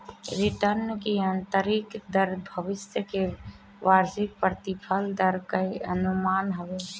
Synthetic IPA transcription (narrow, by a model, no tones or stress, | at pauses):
ɾɪt̪əɾnkiənt̪əɾikd̪əɾbʱəʋɪsjəke | ʋaɾd͡ʒɪk̚pɾət̪ipʰəld̪əɾkəə̰numaːnɦəʋe